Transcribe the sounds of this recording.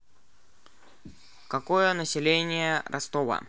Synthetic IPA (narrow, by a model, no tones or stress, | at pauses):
kɐkojənəsʲɪlʲenʲɪjəɾɐ̰st̪ovə̰